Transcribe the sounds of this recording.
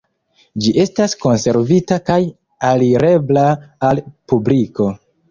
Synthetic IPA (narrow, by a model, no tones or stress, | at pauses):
d͡ʒiʔe̞stasko̞nse̞ɾvitakaj | aliɾe̞blaalpubliko̞